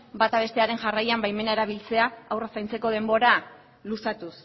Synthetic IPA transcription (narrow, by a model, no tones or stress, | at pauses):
bat̪aβ̞e̞st̪eaɾe̞nʝarajambajme̞nae̞ɾaβ̞ilt͡se̞aːwrasajnt͡se̞ko̞ð̞e̞mbo̞ɾa | lusat̪us